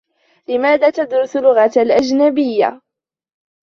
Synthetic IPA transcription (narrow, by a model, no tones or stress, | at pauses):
lɪmaːðaːt̪ad̪ɾʊslʊɣatlʔad͡ʒnabɪjːa̰